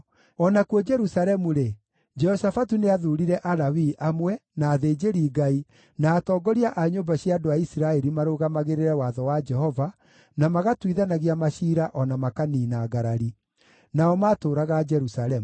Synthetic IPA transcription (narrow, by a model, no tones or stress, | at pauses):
ɔnakwɔd͡ʒɛɾusalɛmuɾe | d͡ʒɛhɔsafatuneaðuɾiɾɛʔaɾawiʔamwɛnaːðeːd͡ʒeɾiːɡai | naːtɔːɡɔɾiaʔaɲombaɕjaːdoaisiɾaɛɾimaɾoɣamaɣeɾeɾɛwaðɔwad͡ʒɛhɔva | namaɣatwiðanaɣiamaʃiːɾaʔɔnamakaninaɡaɾaɾi | naɔmaːtoːɾaɣad͡ʒɛɾusaɾɛmu